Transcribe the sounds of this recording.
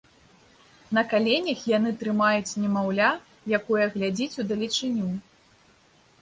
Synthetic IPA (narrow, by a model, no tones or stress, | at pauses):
nɐkalʲenʲɐxjanɨt̪ɾɨmajut͡sʲnʲɛmawlʲa | jakɔjɐɣlʲad͡zʲit͡sʲud̪ɐlʲit͡ʂɨnʲu